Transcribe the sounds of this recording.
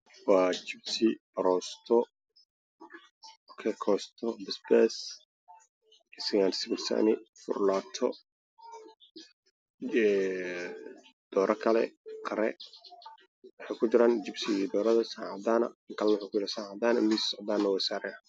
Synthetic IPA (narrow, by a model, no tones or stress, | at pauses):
wɑːt͡ʃɪbsɪb̥ɐɾɔːst̪ʰɔ | ɔkʰɛkʰɔːst̪ʰɔbɪsbɛs | ɪsɐɣaːnsɪɡɪlsɐ̰nɪfʊ̰rlaːt̪ʰɔ | ɛ | d̪̥ɔːɾʔɐkʰɐlɛ̰qʰɐɾɛ̰ | wɑħɑjkʰʊt͡ʃɪɾaːnt͡ʃɪbsɪd̪ɔːɾɐðɐsaːʕɑd̪aːnɐ̰kʰɐlnwʊħʊːkʰʊjɪɾɪsaːʕɑd̪aːnɐmissɔʕd̪aːnːɐwɑsaːɾɛ